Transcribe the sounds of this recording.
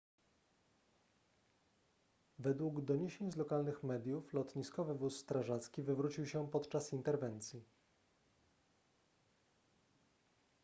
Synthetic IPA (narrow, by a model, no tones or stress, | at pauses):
vɛd̪wuɡd̪ɔɲeɕeɲzlɔkalnɘxmɛd̪ʲjuflɔt̪ɲiskɔvɘvusːt̪ɾaʐat̪skʲivɘvɾut͡ɕiwɕɛpɔt̪t͡ʂasint̪ɛɾvɛnt̪sʲji